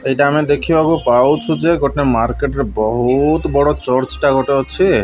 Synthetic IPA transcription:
ejʈaamed̪ekʰibʱakupawt͡ʃʰud͡ʑeɡɔʈnemaɾkeʈeɾbɔɦut̪bɔɽot͡ɕɔɾt͡ʃʈaɡʱɔʈeɦoːʃʰe

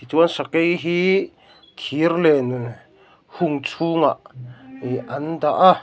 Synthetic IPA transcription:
it͡suənsakejɦi | t̪ʰirlɛn | huŋt͡sʰuŋaʔ | ʔɐndaʔa

